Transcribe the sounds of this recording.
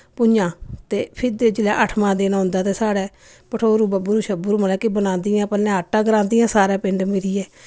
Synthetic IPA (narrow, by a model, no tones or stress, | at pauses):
pʊãːt̪eːpʰɪd̪eːd͡ʒɪlɛːʔəʈʰmãːd̪eːnaːɦʊ̃nd̪aːt̪eːsaːɽɛː | pəʈʰoːɾuːbabʊɾuʃəbʊɾməlɛːkebənãːnd̪ɪjãːpəlɛ̃ːɦaʈːãːɡəɾãːnd̪ɪjãːsaːɾɛːpɪɳɖmɪɾiːɛː